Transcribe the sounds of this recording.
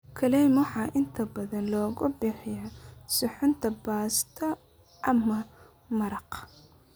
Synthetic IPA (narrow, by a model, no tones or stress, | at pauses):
kʰɐlɛjmʊħɑːʔɪnt̪ʰɐbɐðɐnlɔːɣʊbɪħɪjɐsʊħʊnt̪ʰɐbaːst̪ʰɐ | ʔɐmɐ | mɐɾɑq